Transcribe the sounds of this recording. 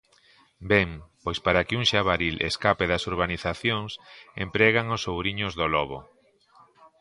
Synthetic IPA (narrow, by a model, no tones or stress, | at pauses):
bɛŋpojspaɾakɪuŋʃaβaɾilʔḛskapeðɐsuɾβaniθaθjoŋsempɾɛɣaŋosowβɾiɲʊzðolɔβo̰